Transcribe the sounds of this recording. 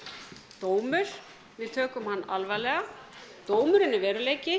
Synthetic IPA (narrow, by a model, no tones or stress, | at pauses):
t̪oːwmʏɾ̥ | vɪðt̪ʰœːkʏmhanːalvalɛːɣat̪oːwmʏɾɪnːɪvɛːɾʏleːjcɪ